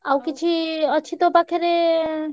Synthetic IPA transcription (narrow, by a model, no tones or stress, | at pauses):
awkit͡ʃʰiət͡ʃʰit̪obakʰeɾe